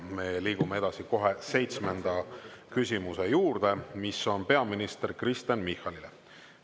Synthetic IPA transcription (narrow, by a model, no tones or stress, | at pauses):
me̞liːɡ̥umee̞d̪̥ɑsiko̞ɦe̞se̞jt̪sme̞nd̪̥ɑkys̬ʲimusejuːrd̪̥e̞miso̞npe̞ɑminist̪erkrist̪jɑnmihˑɑlilḛ